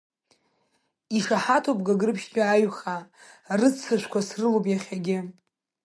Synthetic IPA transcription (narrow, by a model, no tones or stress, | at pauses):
iʂaħatʰop̚ʼɡaɡɨrɨpʰʃɡʲaaɥχarɨt͡sʰːɨʃʷkʷʰasrɨlopʼjaχʲaɡʲɪ